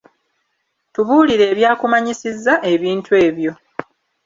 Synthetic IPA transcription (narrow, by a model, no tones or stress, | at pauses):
tuβuːliɾe̞ːβjaːkumaɲisizːaʔe̞βiːntʰwe̞ːβjo̞